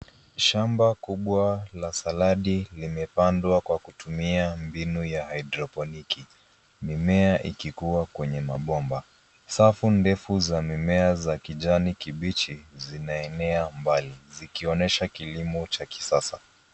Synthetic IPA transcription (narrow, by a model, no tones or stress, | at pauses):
ʃambakuɓwalasalaɗilimɛpandwakwakutumiambinujahaidɾɔpɔniki | mimɛaʔikikuwakwɛɲɛmaɓɔmba | safundɛfuzamimɛazakiʄanikiɓit͡ʃizinaɛnɛambalizikiɔnɛʃakilimɔt͡ʃaki̥sasa